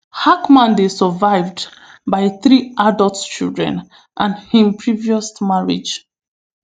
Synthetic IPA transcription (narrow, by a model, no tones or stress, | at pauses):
hakmãndesəvaɪvdbaɪθɹiʔadəlˠtt͡ʃḭldɹɛ̰̃n | ʔãnhĩmpʰɹiviɔsmaɹḭd͡ʒ